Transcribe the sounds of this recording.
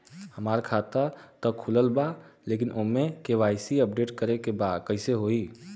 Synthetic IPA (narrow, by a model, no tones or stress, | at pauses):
həmaːɾkʰaːt̪at̪əkʰʊləlbaleːkɪnʔomẽkeʋaːɪsiəp̚ɖeːʈkəɾekebaːd̪kəɦɪseɦoːiː